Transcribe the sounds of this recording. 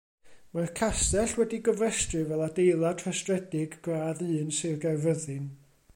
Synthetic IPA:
markʰasɛɬwɛdiɡɔvɛstrɨvɛlˠadejlˠatʰrastrɛdɪɡɡraːðɨːnsɪrɡavəðɨn

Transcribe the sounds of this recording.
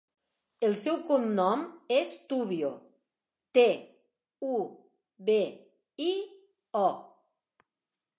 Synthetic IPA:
əlˠsɛwkumnɔmest̪uβio | t̪e | u | βe | i | ɔ

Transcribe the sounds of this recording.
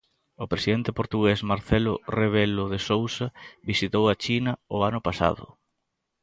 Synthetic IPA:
ʊpɾesiðent̪ɪpoɾt̪uɣesmaɾθelʊreβ̞elʊðesowsabisit̪owat͡ʃinɐʊanʊpasa̰ðʊ̰

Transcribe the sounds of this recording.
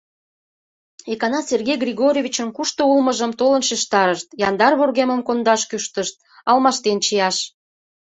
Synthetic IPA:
ekɑnɑserɣʲejɡrʲiɣoɾʲovʲit͡ɕənkuʃt̪oulməʒəmt̪olənʃeʃt̪ɑɾəʃt̪jɑnd̪ɑrβorɣeməmkond̪ɑʃkyʃt̪əʃt̪̚ɑlmɑʃt̪ent͡ɕijɑʃ

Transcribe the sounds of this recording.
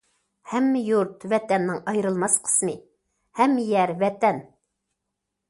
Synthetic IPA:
hɛmːɪjuɾt̪vɛt̪ɛnːɪŋɑjɾɨlˠmɑsqʰə̥smɨ | hɛmːɪjɛɾvɛt̪ɛn

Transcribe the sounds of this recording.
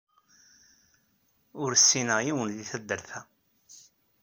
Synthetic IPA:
ʊɾsːinəʁjiwənðiθæd̪ːəɾθæ

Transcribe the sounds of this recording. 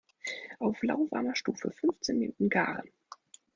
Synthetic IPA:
ʔaʊfla̰ʊva̰ɐmɐʃtuːfə̰fʏnft͡seːnmenuːtn̩ɡaːʁən

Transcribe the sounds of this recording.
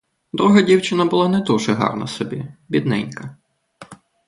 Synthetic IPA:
d̪ɾuɦɐdʲiwt͡ʃɪnɐbʊlˠɑnɛd̪uʒɛɦɑ̰rnɐ̰sɔbʲibʲid̪nɛnʲkɐ

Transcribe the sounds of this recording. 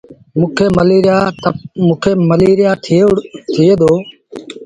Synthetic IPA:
mũːkʰeːməleːɾjaːmuːkʰeːməleːɾɪjaːtʰt̪ʰɪeːd̪oː

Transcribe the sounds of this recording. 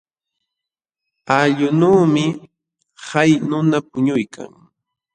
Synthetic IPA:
aʎʊnuːmɪ | hajnʊnapʊɲʊjkʰa̰ŋ

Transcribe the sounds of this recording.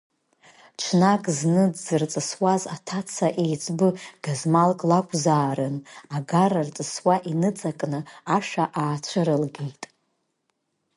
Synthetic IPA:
t͡ʃʷʰnakʼznɨd͡zːɨrt͡sʼɨswazatʰat͡sʰaʔejt͡sʰʼbɨɡ̥azmalkʼlakʷʼzaːɾɨnaɡarɨrt͡sʼɨswaʔinɨt͡sʼakʼnɨaʂaʔaːt͡ʃʷʰɨɾɨlɡejtʼ

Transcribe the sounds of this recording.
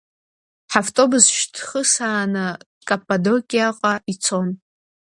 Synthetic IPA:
ħaftʼo̞buzʃdʰχəsaːnɨ | kʼapʼːado̞kʲʼiaqʼait͡sʰo̞n

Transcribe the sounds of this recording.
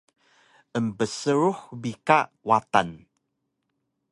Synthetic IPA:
ʔəmbəsəɾuħbikaʔ | wata̰n

